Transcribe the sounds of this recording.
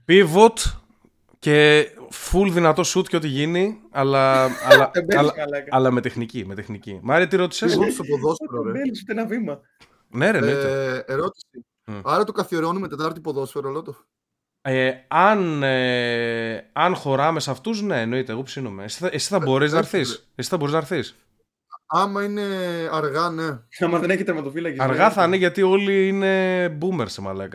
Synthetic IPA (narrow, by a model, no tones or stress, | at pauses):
pivo̞t̪ | ce̞fulðinɐt̪o̞sut̪ceo̞t̪iʝiniɐlɐɐlɐebelɐlɐkɐlɐme̞t̪exnicime̞t̪exnicimɐɾit̪ieɾo̞t̪i̥sesspoðosfeɾɾeelisut̪enɐvimɐ | neɾenoieeɾot̪i̥si | ɐɾɐt̪okɐθioɾeonumet̪et̪ɐɾt̪ipoðosfeɾoelot̪o | eɐn | ɐnxo̞ɾɐme̞sɐft̪uzne̞ːno̞it̪eːɣo̞psinome̞si̥θɐesi̥θɐbo̞ɾeznɐɾθis | esi̥θɐboɾiznɐɾθis | ɐmɐine̞ɐɾɣɐne̞ɐmɐðeneçit̪ɾmɐt̪ofilɐkisɐɾɣɐθɐneʝɐt̪io̞liine̞bumeɾsemɐ̰lɐkɐ